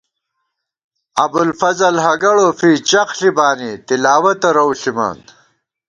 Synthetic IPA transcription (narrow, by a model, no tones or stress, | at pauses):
ɐbulfɐzɐlɦɐɡɐɽofiːt͡ɕɐqɬibaːnit̪ilaːwɐt̪ɐɾɐwɬima̰ːn